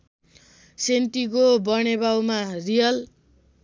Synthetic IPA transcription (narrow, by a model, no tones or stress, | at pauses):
sent̪ikobʌnebawmarijʌl